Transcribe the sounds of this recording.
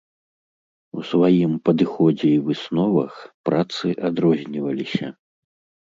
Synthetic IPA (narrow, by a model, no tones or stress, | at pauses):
usvajimpɐd̪ɨxɔd͡zʲɛivɨsnɔvɐxpɾat̪sɨʔad̪ɾɔzʲnʲivɐlʲisʲɐ